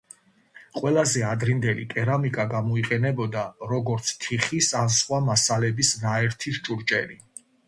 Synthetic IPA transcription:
qʼwɛlˠazɛad̪ɾind̪ɛlikʼɛɾamikʼaɡamɔiqʼɛnɛbɔd̪aɾɔɡɔɾt̪sʰt̪ʰiχisansχwamasalɛbisnaɛɾt̪ʰiʃt͡ʃʼuɾt͡ʃʼɛɾi

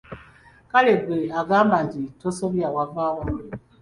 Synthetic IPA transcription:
kalebeaɡamad͡ʒitosobjawavawa

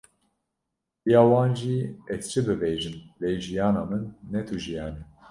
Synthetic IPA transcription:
ijaːwaːnʒiɛt̪t͡ʃʰibɨvɛjʒimlɛjʒijaːnamɨnːɛt̪ʰuʒijaːnɛ

